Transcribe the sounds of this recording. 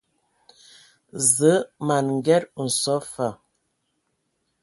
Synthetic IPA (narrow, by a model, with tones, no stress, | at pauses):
zə˨˦ma˨nŋ̩˨ɡɛ˦ɾn̩˨sɔ˨˦fa˨